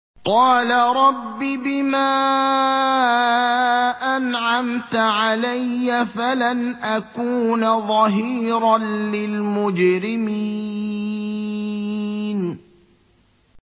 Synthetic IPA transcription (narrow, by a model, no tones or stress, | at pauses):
qɑːlaɾˤɑbːiːbɪmaː | ʔanʕamt̪ʕalajːafalanʔakuːnaðˤɑɦiːɾɑnlɪlmʊd͡ʒɾɪmi | n